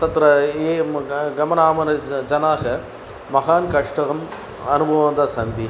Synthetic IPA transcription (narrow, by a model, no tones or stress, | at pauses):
t̪ɐt̪ɾɐeːɡɐmɐnaːmɐnɐd͡ʒɐnaːɣɐ | mɐɦaːnkɐʂʈɐɣɐm | ɐnubʱɐʋɐnd̪ɐsɐnd̪i